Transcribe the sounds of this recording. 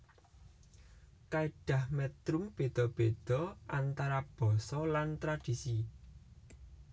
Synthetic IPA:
kaeɖ̥ä̤hmɛt̪ɾʊmb̥e̤d̪̥ɔ̤b̥ed̪̥ɔ̤ʔant̪aɾab̥ɔ̤sɔlant̪ɾad̥isi

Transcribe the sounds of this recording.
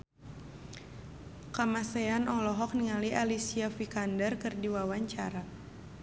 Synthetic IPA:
kamaseanʔɔlɔɦɔk̚niŋaliʔalisiafikandərkɨrdiwawaɲt͡ʃaɾa

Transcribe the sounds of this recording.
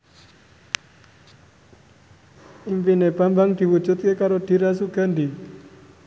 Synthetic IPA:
ʔimpineb̥a̤mbaŋd̪̥i̤wud̥d͡ʒṳt̪̚kekaɾod̪̥i̤ɾasuɡ̥a̤nd̪i

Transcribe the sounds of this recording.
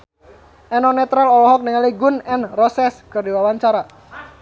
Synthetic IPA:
ʔɛnɔnɛt̪ɾalɔlɔɦɔk̚nəŋaliɡʊnɛnrɔsɛskɨrdiwawaɲt͡ʃaɾa

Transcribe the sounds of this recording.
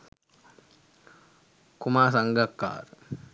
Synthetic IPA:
kumaːsɐŋɡɐkːa̰ːɾ

